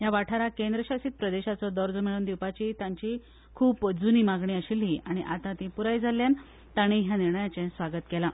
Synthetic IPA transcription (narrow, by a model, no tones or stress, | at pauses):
jaʋaʈʰaɾakend̪ɾəɕasiːt̪̚pɾəd̪eɕat͡sɔd̪ɔɾd͡zmiɭuːnd̪iwpat͡ɕit̪ãɲt͡ɕi | kʰuːpəd͡zuniːmaɡɳiːəɕiːlɦiʔaɽ̃iʔat̪ãt̪ĩpuɾajd͡zʱalːjan | t̪aɽ̃iɦjaniɾɳəjat͡ɕɛ̃sʋaɡət̪kɛla